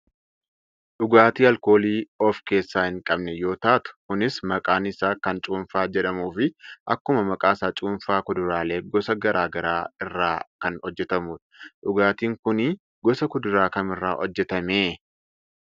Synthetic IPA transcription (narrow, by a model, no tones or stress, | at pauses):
ɗʊɡaːt̪iːɐlko̞ːliːɔfke̞ːsːaːhɪŋkʼɐbnɛjo̞ːt̪aːt̪ʊ̥kʊnɪsmɐkʼaːnɪsaːkɐnt͡ʃʼuːnfaːd͡ʒɛᶑɐmuːfɪʔɐkːʊmɐmɐkʼaːsaːt͡ʃʼuːnfaːkʊd̪ʊɾaːle̞ːɡɔsɐɡɐɾʔaːɡɐɾaːɪrːaːkɐnɔd͡ʒːɛt̪ɐmuːᶑ̪ɐᶑʊɡaːt̪iːŋkʊnɪ | ɡ̥ɔsɐkʊd̪ʊɾaːkɐmɪrːa̰ːʔɔd͡ʒːɛt̪ɐmeː